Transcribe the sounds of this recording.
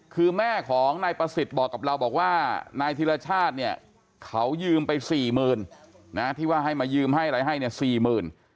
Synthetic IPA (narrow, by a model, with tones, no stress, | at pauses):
kʰɯː˧mɛː˥˩kʰɔː˩˦ŋnaː˧jpɾa˧si˨˩t̪̚bɔː˨˩kːa˨˩pɾa˧wbɔː˨˩k̚waː˥˩naː˧jt̪ʰiː˧ɾa˧t͡ɕʰaː˥˩t̪̚ni˥˩ɐ | kʰa˦˥wjɯː˧mpa˧jsiː˨˩mɯː˨˧n | na˦˥t̪ʰiː˥˩waː˥˩ɦa˥˩jmaː˧jɯː˧mɦa˥˩jɾa˧˩jɦa˥˩jni˥˩ɐsiː˨˩mɯː˨˩n